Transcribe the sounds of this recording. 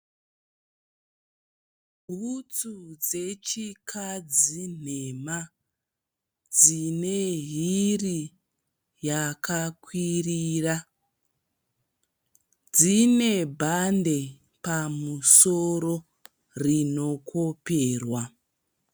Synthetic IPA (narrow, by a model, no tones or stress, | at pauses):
bʱut͡sud͡ze̞t͡ʃikʰad͡zinema | d͡zine̞ɦiri | jakakwiriːra | d͡zine̞bʱande̞ | pamusoɾo | rino̞kʰo̞peːrwa